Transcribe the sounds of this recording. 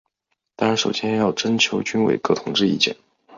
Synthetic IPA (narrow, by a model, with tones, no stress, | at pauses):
t̪ɑ˥ŋɻa˧˥nʂo˨˩ʊɕjɛ˥nɛ˧jɑ˥˩ʊʈ͡ʂə˥nt͡ɕʰjo˧˥ʊt͡ɕy˥nwḛ˨˩ɪkɤ˥˩t̪ʰʊ˧˥ŋʈ͡ʂɻ̩˥˧i˥˩t͡ɕjɛ̰˥˩˦n